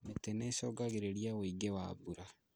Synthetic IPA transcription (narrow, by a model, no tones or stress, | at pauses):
metɛnɛsɔɡaɣeɾeɾiawoiɡewaːbuɾa